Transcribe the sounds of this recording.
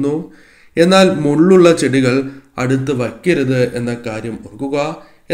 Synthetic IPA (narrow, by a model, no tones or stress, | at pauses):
nːu | e̞nːaːlmuɭːuɭːɐt͡ɕeɽiɣɐɭɐ̰ɽut̪ːɨʋɐkʲːiɾuðɨe̞nːɐkaːɾjɐmorkːuɣɐ | e